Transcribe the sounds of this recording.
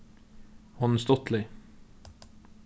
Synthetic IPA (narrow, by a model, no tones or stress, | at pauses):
hɔnst̪ɔt̪lɪ